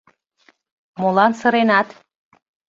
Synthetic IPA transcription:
molɑnsə̆ɾenɑt̪

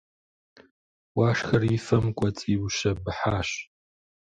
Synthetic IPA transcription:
waːʂxɐrifɐmkʷʼɔt͡sʼiːwʃɐbɨħaːɕ

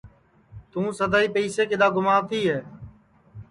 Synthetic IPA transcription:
t̪ũːsəd̪aːiːpəːseːkɪɗ̪aːɡʊmaːʋt̪iːɦeː

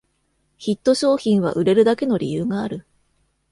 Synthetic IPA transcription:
çit̪ːo̞ɕo̞ːçĩɰ̃β̞a̰ʔɯ̟ɾe̞ɾɯ̟d̪ake̞no̞ɾʲḭjɯːɡaːɾɯ̟

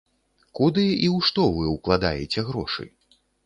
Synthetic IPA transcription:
kud̪ɨiwʂt̪ɔvɨwklˠad̪a̰jɛt͡sʲɛɣɾɔʂɨ̰j

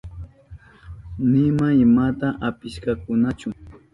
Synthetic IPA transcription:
nɪmaɪmat̪aʔapɪʃkakʊnat͡ʃʊ

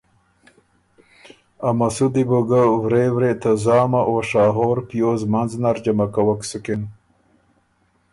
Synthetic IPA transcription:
amasud̪iboɡawɾewɾet̪azɑːmaʔoːʂɑːɦoːɾpjoːzmanznaɾd͡ʒamakawaksukin

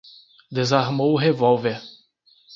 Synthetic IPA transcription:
d̪ezaɾmowʊɦevɔwveɾ

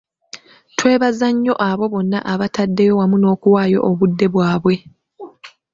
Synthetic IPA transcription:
twe̞ːβazaɲːo̞ʔaβo̞βo̞nːaʔaβatadːe̞jo̞wamuno̞ːkuwaːjo̞ʔːβudːe̞βwaːβwe̞

